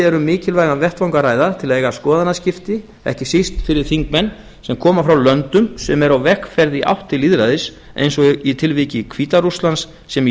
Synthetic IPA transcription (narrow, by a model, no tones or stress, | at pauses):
ɛɾʏmːɪːcɪlvajɣanvɛr̥t̪vawŋkaraːjðat̪ʰɪlaðejɣaskɔːðanːascɪft̪ɪ | ɛ̰hcɪsist̪fɪɾɪɾ̥θiŋkmɛnː | sɛmkʰɔːmafɾawlœnt̪ʏmsɛmɛɾawvɛhkfɛɾðɪʔa̰wht̪ɪliːðɾajðɪs | ḛjnsɔit̪ʰɪlviːcɪkʰviːt̪aɾust̪lansːɛm